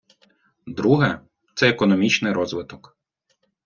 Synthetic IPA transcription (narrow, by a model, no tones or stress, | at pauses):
d̪ɾuɦɛ | t̪sɛekɔnɔmʲit͡ʃnɪjɾɔzʋɪt̪ɔk